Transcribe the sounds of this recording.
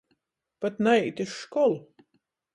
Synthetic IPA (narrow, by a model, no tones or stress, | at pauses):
pat̪najt̪ʲiʃːkɔlˠ